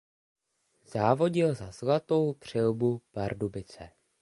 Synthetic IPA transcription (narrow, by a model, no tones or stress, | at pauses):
z̥aːvo̞ɟɪlzazlat̪o̞wpr̝̥ɪlbupaɾdubɪt͡sɛ